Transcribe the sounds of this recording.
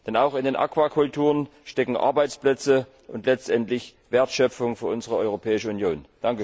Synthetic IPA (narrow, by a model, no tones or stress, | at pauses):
d̥ɛnaʊxɪndeːnʔa̰kv̥aːkʰʊltʰuːʁənʃtɛkŋ̩ʔa̰ɐbaɪt͡splɛt͡sə | ʔʊntlɛt͡stʔɛntlɪçv̥eːɐtʃœp͡fʊŋfyːɐʔʊnzəʁəɔʏʁopʰɛːɪʃəunjoːnd̥aŋkə